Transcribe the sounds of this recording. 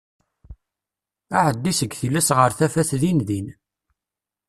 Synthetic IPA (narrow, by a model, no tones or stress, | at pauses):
aʕəd̪ːisəɡθilːæsʁəɾθæfæθðinðin